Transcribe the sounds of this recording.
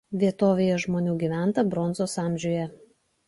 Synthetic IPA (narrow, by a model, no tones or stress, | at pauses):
ʋʲiɛt̪oːʋʲejɛʒmoːnʲuːɡʲiːʋʲæˑnt̪ɐbɾɔnzoːsɑˑmʲʒʲuːjɛ